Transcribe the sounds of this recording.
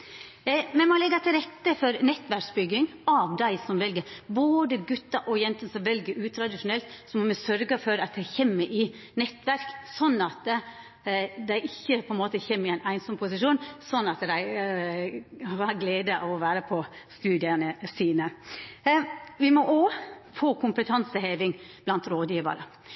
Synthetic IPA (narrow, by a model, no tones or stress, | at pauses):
mɛmɔlɛɡɑt̪ʰɪlɾɛt̪ːəfɔɾnɛt̪ːʋæɾksbʏɡːɪŋɑʋd̪æɪsɔmʋɛlɡəɾboːd̪əɡʉt̪ːɑʔɔjɛnt̪nsɔmʋɛlɡəɾʉːt̪ʰɾɑd̪ɪʂʊnɛlt̪sɔmɔmɛsœɾɡəfɔɾɑt̪̚d̪æɪçɛmːəʔɪ | nɛt̪ːʋæɾksɔnːɑt̪ | d̪æɪʔɪçːəpʰɔɛnmoːt̪əçɛmːɪæɪnʔæɪnsɔmpʰʊsɪʂuːnsɔnːɑt̪d̪æɪ | ʋɑɾɡleːd̪əʔɑʋɔʋæːɾəpʰɔ | st̪ʉːd̪ɪɑnəsiːnə | ʋɪmɔʔofoːkʰʊmpət̪ʰɑnsəheːʋɪŋb̥lɑnt̪ɾoːd̪jiːʋə̰ɾə̰